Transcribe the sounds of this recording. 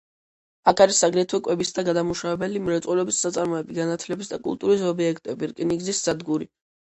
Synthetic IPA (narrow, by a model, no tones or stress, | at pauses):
akʰaɾisːaɡɾɛt̪ʰwɛkʼwɛbisd̪aɡad̪amuʃawɛbɛlimɾɛt̪sʼɛlɛbisːat̪sʼaɾmɔɛbiɡanat̪ʰlɛbisd̪akʼṵlˠt̪ʼuɾis̬ɔbiɛkʰt̪ʼɛbiɾkʼniɡzisz̥ad̪ɡuɾi